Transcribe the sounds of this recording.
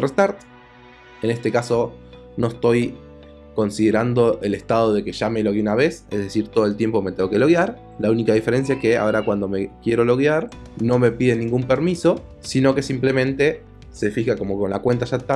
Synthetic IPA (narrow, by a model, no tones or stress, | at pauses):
rest̪aɾt̪ | ene̞st̪e̞kaso̞ | no̞est̪o̞j | ko̞nsiðeɾand̪o̞ʔelest̪að̞o̞ð̞e̞ke̞ʒameloɣiunaβe̞sezðe̞siɾt̪oðoelt̪je̞mpo̞met̪eŋɡokelo̞ɣjaɾ | launikaðife̞ɾe̞ns̬jaeske̞a̰oɾakwand̪o̞me̞kje̞ɾo̞lo̞ɣjaɾ | no̞me̞piðe̞nĩŋɡumpe̞ɾmiso̞ | sino̞ke̞simple̞mẽ̞nt̪e̞ | se̞fixako̞mo̞konlakwe̞nt̪aʒat̪a